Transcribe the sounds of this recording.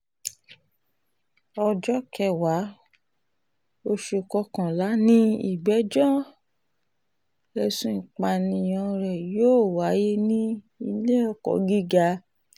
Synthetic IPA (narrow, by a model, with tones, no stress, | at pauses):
ɔ˧d͡ʒɔ˦kɛ˧˨wa˨˦ | o˧ʃu˧˨kɔ˧kã˨la˨˦nĩ˦ḭ˦˨ɡ͡bɛ˨˦d͡ʒɔ˦ | ɛ˧sũ˦i˨k͡pa˧nĩ˧˨j̃ɔ̃˧ɾɛ˨joː˦˨wa˨˦je˦nĩ˦ | i˧le˦ɔ˧kɔ̰˨ɡi˦ɡa˧